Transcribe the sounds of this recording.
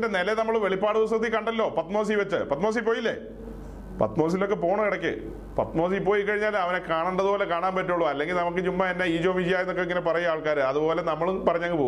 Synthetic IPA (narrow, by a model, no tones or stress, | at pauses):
ndenelenɐmːɐɭʋe̞ɭipːaːɽɨus̬ɐkt̪̬ːikɐɳɖɐlːo̞ːpɐt̪moːs̬ijʋɐt͡ɕːɨ̰pɐt̪mo̞ːs̬ip̬ːoːjilːḛ | pɐ̰t̪moːs̬ilo̞k̬ːe̞po̞ːɳɐkiɽɐkʲːɨ̰ | pɐ̰t̪mo̞ːs̬iipːo̞ːjikːɐɻiɲːaːlɐʋɐnekaːɳuɳɖɐðubo̞ːlekaːɳaːnpɐtːuɭuɐlːe̞ŋɡilnɐmukːɨt͡ɕumːɐenːeiːd͡ʑo̞ːmid͡ʑijaːjenːokːeiŋːɐnep̬ɐrɐjuaːɭkaːɾɨɐðubo̞ːle̞nɐmːɐɭpɐrɐɲːɐŋɡɨpoː